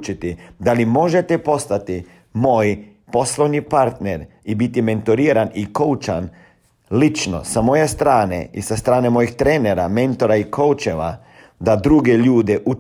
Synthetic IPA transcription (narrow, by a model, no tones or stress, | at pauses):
t͡ʃit̪id̪alimo̞ʒet̪epo̞st̪at̪i | moːj | po̞slˠoʋnipaɾt̪neɾibit̪iment̪oɾiːɾaniko̞ut͡ʃan | lit͡ʃno̰samo̞jest̪ɾaːnḛisast̪ɾaːnemo̞jixt̪ɾeːneɾame̞nt̪o̞ɾaikowt͡ʃeʋa̰ | d̪ad̪ɾuɡeʎuːd̪eʔu